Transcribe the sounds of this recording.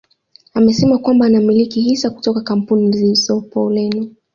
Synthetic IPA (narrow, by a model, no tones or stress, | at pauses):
amɛsɛmakwambaːnamilikihisaku̥tɔkakam̩punizisɔpɔ̰lɛni